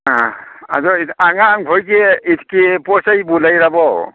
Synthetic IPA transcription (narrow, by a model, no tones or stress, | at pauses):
aa̰zɔiaŋaːŋbʱɔjkeitʰkipɔsajbulajɾabɔ